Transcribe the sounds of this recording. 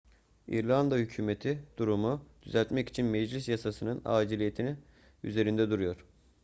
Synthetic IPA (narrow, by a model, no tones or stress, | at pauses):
ḭɾlʲˠand̪ahycʰyːme̞t̪ʰid̪̥uɾumud̪̥yzælʲt̪mɛci̥t͡ʃʰinmɛd͡ʒlʲisjasasɯnɯna̰ːd͡ʒilʲije̞t̪ʰini | y̰ze̞ɾind̪ɛd̪uɾujo̞ɾ̥